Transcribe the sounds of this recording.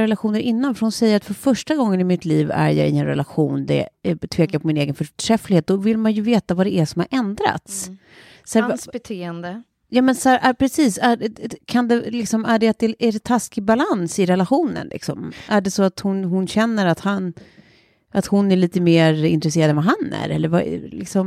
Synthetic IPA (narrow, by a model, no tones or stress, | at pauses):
ɾɛlaɧuːnəɾʔɪnːanfœɾhʊnsɛjːəɾat̪fœɾfœʂʈaɡɔŋːənɪmɪt̪ʰliːvæ̰ɾjɑ̰ːɪɛnɾɛ̰laɧuːnd̪ɛ̰t̪ʰveːkaɾpʰɔmɪneːɡənfœʈʰɾɛflɪɡhːt̪̚d̪ɔvɪlmanjɵveːt̪avad̪ɛʔæʂɔmhaɾʔɛnd̪ɾa̰t̪sː | ɛɾbɛt̪ʰeːɛnd̪ə | jɑːmɛnsæːɾʔæpʰɾɛsiːsækʰand̪ɛlɪksɔmæɖɛat̪̚d̪ɛæɾɛt̪ʰaskɪbalansɪɾɛlaɧuːnə̰nlʔɪ̰ksɔmʔæɖɛsɔat̪hʊnɦʊnɕɛnːəɾat̪han | ʔat̪hʊnːæɭiːt̪əmeːɾɪ̰nt̪ɾɛseːɾad̪ɛnvaɦanæ̰ɾɛlːəɾva̰lɪ̰ksɔm